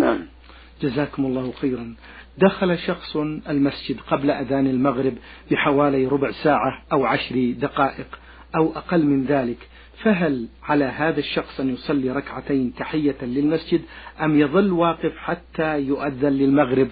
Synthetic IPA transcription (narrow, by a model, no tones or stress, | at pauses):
a | d͡ʒazaːkʊmʊlˤːɑːhxeːɾˤɑn | d̪axalaʃɑxsˤalmasd͡ʒɪd̪qɑblaʔaðaːnalmaɣɾɪbbɪħawaːlajɾʊbʕsaːʕaʔawʕaʃɾd̪aqɑːʔɪq | ʔawʔaqɑlːmɪnðaːlɪk | faɦalʕalaɦaːðaʃːɑxsˤʔanjʊsˤɑlːiɾˤɑkʕat̪aːnt̪aħɪjːalɪlmasd͡ʒɪd̪ʔamjɑðˤɨlːwɑːqɪfħat̪ːajʊʔaðːanlɪlmaɣɾɪb